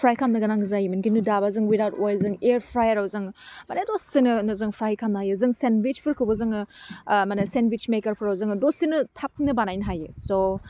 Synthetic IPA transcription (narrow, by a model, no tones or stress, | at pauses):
pʰɾajkʰamnɐɡɐnaŋɡzajimɐnkʰinudabazɯŋwidawtojlzɯŋeɾpʰɾajɐɾawzɯŋmanedosːinɐnɯzɯŋpʰɾajkʰamnɐɦajɯzɯŋsenwit͡ʃpʰɯɾkʰɯwbɐzɯŋɯmanɐsenwit͡ʃmekɐɾpʰɯɾawzɯŋdosinɐtʰap̚nɐbanajnɐɦajɯso